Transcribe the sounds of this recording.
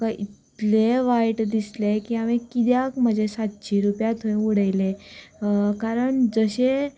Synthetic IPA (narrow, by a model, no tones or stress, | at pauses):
kaʔit̪t̪leʋajʈd̪islekiːamekid̪jakm̤əd͡ʑʱesat̪̚t͡ɕʰiɾupjat̪ʰoẽuɽəjle | kaɾəɳd͡zəɕe